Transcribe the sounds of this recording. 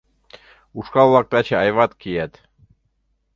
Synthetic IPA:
uʃkɑβlˠɑk̚t̪ɑt͡ɕeɑjβɑt̪kijæt̪

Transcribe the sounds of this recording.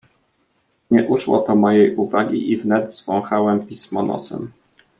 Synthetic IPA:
ɲɛʔuʂwɔ̰pɔmɔjejʔuvaɡʲḭʔivnɛd̪zvɔ̃w̃xawɛmpʲismɔnɔ̰sɛ̰m

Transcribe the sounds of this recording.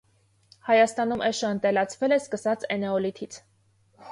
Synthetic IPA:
hɑjɑst̪ɑnumʔɛʃəənt̪ɛlɑt͡sʰvɛlɛskəsɑt͡sɛnɛɔlit̪ʰit͡sʰ

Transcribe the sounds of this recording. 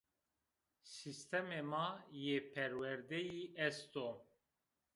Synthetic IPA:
sist̪ʰɛmemɑjepʰɛɾwɛɾd̪ɛjiʔɛst̪o

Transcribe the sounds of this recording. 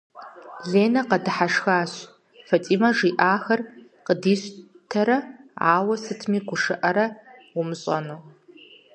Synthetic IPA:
ɮeːnɐqɐdɨħaʂxaːɕ | fɐtʼiːmɐʐiːʔaːxɐrqədiːɕ | tʰɐɾɐa̰ːwɐsɨtʰmiːɡʷʊʂɨʔɐɾɐwʊmɨɕʼɐ̰nuː

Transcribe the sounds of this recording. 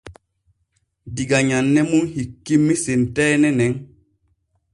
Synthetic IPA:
diɡaɲanːɛmunhikːimːisentɛnɛnɛŋ

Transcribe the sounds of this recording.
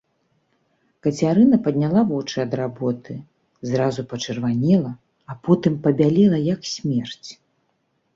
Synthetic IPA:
kɐt͡sʲaɾɨnɐpɐd̪ʲnʲalˠavɔt͡ʂɨɐd̪rabɔt̪ɨ | zɾazupɐt͡ʂɨrvanʲɛlˠɐ | ɐpɔt̪ɨmpɐbʲalʲɛlˠɐjɐksʲmʲɛrt͡sʲ

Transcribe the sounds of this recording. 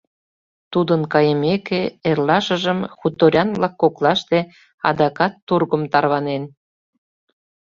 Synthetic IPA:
t̪ud̪ənkɑjəmekeerlɑʃəʒəmxut̪ːoɾʲɑnβlɑkːoklɑʃt̪e | ɑ̰d̪ɑkɑt̪ːurɣəmt̪ɑrβɑnen

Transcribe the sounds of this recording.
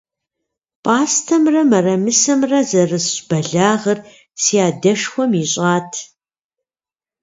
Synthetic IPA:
pʼaːstʰɐmrɐmɐrɐmɨsɐmrɐzɐrɨsb̥ɐɮaːʁɐr | sijaːdɐʂxʷɔmiɕʼaːtʰ

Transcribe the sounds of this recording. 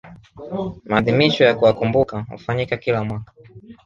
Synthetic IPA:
maːðimiʃɔjakuwakumbukahṵfaɲikakilamwakḁ

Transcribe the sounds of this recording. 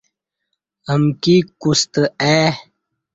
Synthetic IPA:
əmkikust̪əe

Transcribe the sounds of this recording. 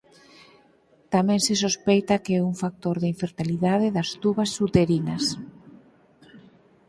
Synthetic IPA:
t̪amɛ̃ŋsɪsospejt̪ɐkeɛuŋfak̚t̪oɾðɪiɱfeɾt̪iliðaðɪðɐst̪uβɐsːut̪eɾinɐs

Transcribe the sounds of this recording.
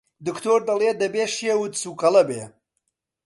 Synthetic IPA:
d̪ɨkt̪ʰoːɾd̪ɐlˠed̪ɐbeːʃijewud̪suːkɐlɐbḛː

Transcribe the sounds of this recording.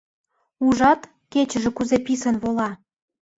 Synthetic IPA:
uʒɑt̪ | ket͡ɕəʒĕkuzepisənβolɑ

